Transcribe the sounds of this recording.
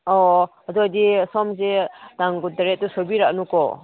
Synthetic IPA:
ɔaduadisɔmzedaŋɡutaɾet̚tusobiɾak̚nukɔ̰

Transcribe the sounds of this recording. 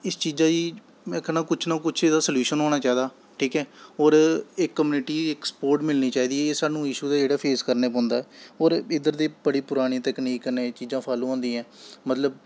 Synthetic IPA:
ɪst͡ʃiːzãːd͡ʒiː | kʰənaːkʊt͡ʃʰnakʊt͡ʃʰed̪aːsəljuːʃənɦoːɽ̃aːt͡ʃaːiːd̪aː | ʈʰiːkɛːɔːɾekːəmjuːnɪʈiːɪkspoːɾʈmɪlniːt͡ʃaːiːd̪iːɛeːsaːnũːɪʃuːd̪aːd͡ʒeːɽaːpʰeːskəɾneːp̬ɔ̃ːnd̪aːɛːɔːɾɪd̪əɾd̪eːbəɽiːpʊɾaːɽ̃ĩt̪ɛkniːkːneːt͡ʃiːzãːpʰaːlũãːnd̪ĩːɛ̃ːmət̪ləb̚

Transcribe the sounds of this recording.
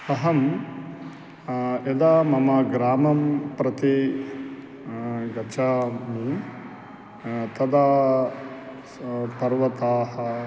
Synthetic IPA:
t̪ɐɦɐm | ed̪aːmɐmɐɡɾaːmɐmpɾɐt̪i | ɡɐt͡ʃaːmi | t̪ɐd̪aː | pɐɾʋɐt̪aːhɐ

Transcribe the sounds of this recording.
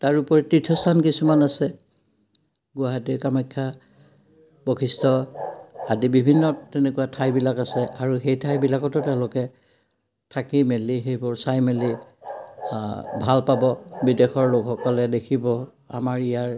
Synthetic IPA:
taɹupɔɹɛtitʰːɔstʰankisumanasɛ | ɡʊaɦatikamajkʰːa | b̥okʰistʰɔ | adibibʱinːɔtːɛnɛkʊwatʰajbilakasɛʔaɹuxejtʰajbilakɔtʊtɛʊ̃lʊkɛ | tʰakimelixejbʊɹsajmeli | bʱalpabɔbidexɔɹlokxɔkɔlɛdekʰibɔ | a̰maɹijaɹ

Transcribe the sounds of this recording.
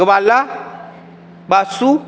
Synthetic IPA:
əbala | basu

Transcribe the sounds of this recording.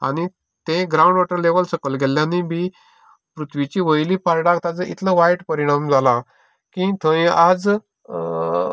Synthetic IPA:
a̰ɽ̃i | t̪ẽɡɾaũɳɖʋaʈəɾleʋəlsəkəlɡʱelːjãnibi | pɾut̪ʰʋit͡ɕiːʋəjliːpaɾɽakt̪ãd͡zəʔit̪ʰləʋajʈpəɾiɽ̃amd͡zʱala | kĩt̪ʰə̃ĩad͡z

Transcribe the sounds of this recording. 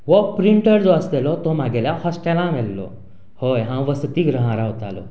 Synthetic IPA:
ʋɔpɾiɳʈəɾd͡zɔəslɛlɔt̪ɔm̤aɡɛljahɔsʈɛlãʋɛlːɔ̰ | hojɦãʋəst̪iːɡɾəɦaɾaɦot̪a̰lɔ̰

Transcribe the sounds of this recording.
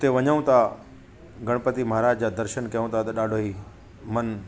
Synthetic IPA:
ʊt̪eʋɐɲəũt̪ʰa | ɡɐɽ̃pət̪imɐɦaɾaːd͡ʑd͡ʑaːd̪ɐɾʃənkɐjũt̪ʰat̪ɐɗaːɖʱoːɦiː | mɐn

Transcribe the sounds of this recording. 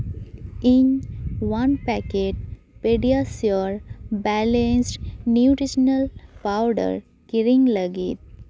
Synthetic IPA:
ĩnʋãnpækeʈ̚ | peɖiasjoɾbælẽnsʈnjuʈɾiʃənəlpaʊɖə̰ɾ | kiɾĩŋɡləɡḭt̪̚

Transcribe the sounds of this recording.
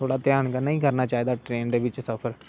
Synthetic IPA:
oːɽaːt̪ɪjaːɳkənəĩːkəɾnaːt͡ʃaːiːd̪aːʈɾeːɳɖeʋɪt͡ʃsəfʰəɾ

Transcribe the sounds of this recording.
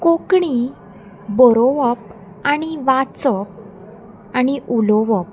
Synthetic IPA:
kokɳi | bɔɾoəp̚ | aɽ̃iʋat͡səp̚ | aniʔulɔʋɔp̚

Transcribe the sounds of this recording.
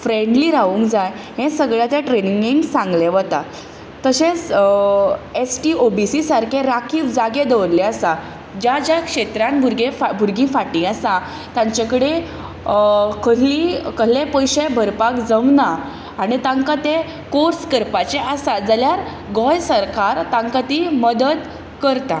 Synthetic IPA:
fɾeɳɖliɾaʋũːŋkd͡zaj | ɦẽsəɡɭjat̪jaʈɾeniŋɡiŋɡsãŋɡleʋət̪a | t̪əɕẽt͡s | esʈiobisisaɾkʰeɾakʰiːfd͡zaɡed̪əʋɾlɛasa | d͡ʑjad͡ʑjakʂet̪ɾanbʱuɾɡẽfbʱuɾɡĩːfaʈĩəsa | t̪ãɲt͡ɕakəɽe | kʰəɦlikəɦlẽpəjɕebʱəɾpakd͡zəmnaː | ɽ̃it̪ãŋkat̪e | koɾskəɾpat͡ɕeʔasad͡zaljaɾ | ɡɔjsəɾkaɾt̪ãŋkat̪iməd̪əd̪ | kəɾt̪a

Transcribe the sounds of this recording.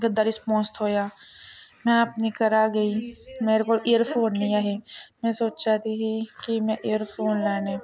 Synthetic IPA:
ɡɐd̪aːɾispɔ̃ːnst̪ɦoːjaː | mɛ̃aːpnikəɾaːɡɐimeɾekoːlejəɾfʰoːnːĩjaːɦemɛ̃soːt͡ʃt͡ʃaːt̪iɦikimɛ̃ʔejəɾfoːnlaːne

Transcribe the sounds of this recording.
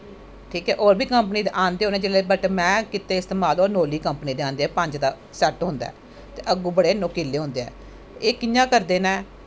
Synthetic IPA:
ʈʰiːkɛːʔoːɾbiːkəmpniːd̪eʔãːnd̪eːɦoːneɛːd͡ʒeːleːbəʈmɛ̃ːkɪt̪eːɪst̪eːmaːloːɾnoːliːkəmpniːd̪eːãːnd̪eːɛːpəɲd͡ʒd̪aː | sɛʈɦõːnd̪a̰ː | t̪eːʔəɡũːbəɽeːnoːkiːlːeːɦõːnd̪eːɛ̰ː | eːkɪjãːkəɾd̪eːnɛː

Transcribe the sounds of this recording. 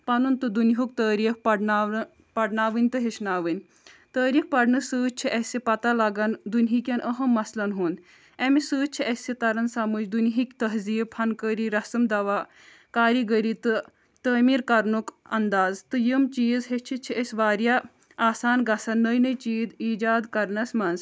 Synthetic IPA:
pɐnunt̪ɨd̪unɦuk̚t̪əːɾiːkpɐɽna | pɐɽnaːʋɨnʲt̪ɨɦeʃnaːʋɨnʲ | t̪əːɾiːkpɐɽnɨsɨːt͡ʃ̚t͡ʃʰiʔesʲepɐt̪alɐɡɐnd̪unʲɦikʲɐnʔəɦɐmːɐslɐnɦund̪ | emisɨːt͡ʃʰiʔesʲit̪ɐɾɐnsɐmɨt͡ʃd̪unɦikʲt̪əɦziːphɐnkəɾiɾɐsɨmd̪ɐʋaː | kaːɾiɡəɾiːt̪ɨ | t̪əːmiːɾkɐɾnukɐnd̪aːzt̪ɨjəmt͡ʃiːzɦet͡ʃʰit͡ʃʰiʔesʲʋaːɾja | aːsaːnɡɐsɐnːəjnɐjt͡ʃiːd̪iːd͡ʒaːd̪kɐɾnɐsmɐnz

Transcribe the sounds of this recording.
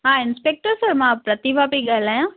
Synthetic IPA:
ɦãɪnspek̚ʈəɾsəɾmãpɾɐt̪ibʱapiɡɐɦlajã

